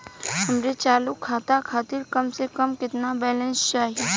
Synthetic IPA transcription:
ɦɐmɾet͡ʃaːlʊkʰːaːt̪akʰaːt̪ɪɾkɐmsekəmkɪt̪nabɛːlɛ̃nst͡ʃaːɦie

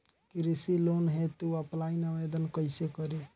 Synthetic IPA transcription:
kiɾisilonɦet̪uəplainəʋed̪ənkəɪsekəɾe

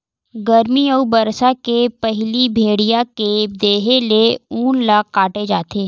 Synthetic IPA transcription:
ɡɐɾmiəubɐɾsakepɐɦlibʱeːɽijaked̪eːɦeleuːnlaːkkaːʈed͡ʒaːt̪eː

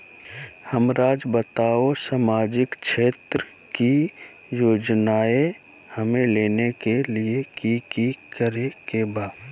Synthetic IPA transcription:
həmɾaːd͡ʒbət̪aːosamaːd͡ʒɪkt͡ʃʃeːt̪ɾə | ki | joːd͡ʒnaːe | həmẽleːnekeliekikikəɾekebaː

